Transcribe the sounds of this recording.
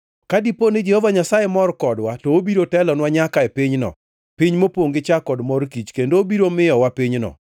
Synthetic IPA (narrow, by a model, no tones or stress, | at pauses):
kadiponɪd͡ʒehovaɲasajemɔrkɔdwatɔobiɾotɛlɔnwaɲakaepiɲnɔ̰ | piɲmopoŋɡɪt͡ʃakɔdmɔrkit͡ʃkendoːbiɾomɪjɔwapiɲnɔ̰